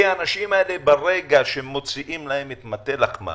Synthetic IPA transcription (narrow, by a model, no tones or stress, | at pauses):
aːnaʃimaelebeʁe̞ɡaʃemːo̞t͡siʔimlahe̞mit̪mat̪e̞lakma̰